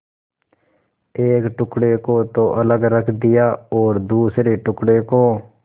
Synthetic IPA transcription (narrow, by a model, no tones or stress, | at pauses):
eːkʈʊkɽekot̪oʔələɡɾəkʰd̪ɪjaːɔːɾd̪uːsɾeʈʊkɽeːkoː